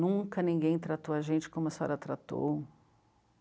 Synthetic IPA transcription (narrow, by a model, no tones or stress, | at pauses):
ũkɐnĩɡẽj̃t̪ɾat̪owɐʒẽnt͡ʃɪ̥kõmʊɛsɛ̰ɾɐt̪ɾat̪o̰w